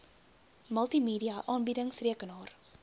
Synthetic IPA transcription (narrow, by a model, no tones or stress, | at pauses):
məlˠtimiːdiɐʔɑːnbidəŋsriəkənɑːr